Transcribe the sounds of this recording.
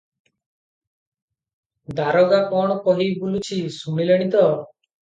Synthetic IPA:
d̪aɾɔɡapɔɳ̃ɔkɔɦibulut͡ʃʰisumileɽ̃it̪ɔ

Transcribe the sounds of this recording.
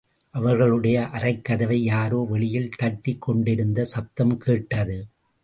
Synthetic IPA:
ʔɐʋɐɾɣɐɭɯɽɐjɐʔɐrɐɪkːɐðɐʋɐɪjaːɾoːʋɛɭɪjɪlt̪ɐʈːɪkːɔɳɖɪɾɯnd̪ɐsɐp̚t̪ɐmkeːʈːɐðɯ

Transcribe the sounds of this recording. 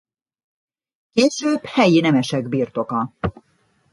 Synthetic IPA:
keːʃøːbhɛjinɛmɛʃɛɡbiːrt̪o̞kɒ

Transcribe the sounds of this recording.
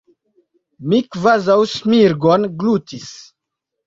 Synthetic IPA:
mikvazawsmiɾɡonɡlutis

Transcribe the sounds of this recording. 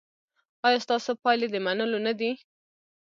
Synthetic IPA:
ɑjɑst̪ɑsopɑled̪əmanəlonad̪i

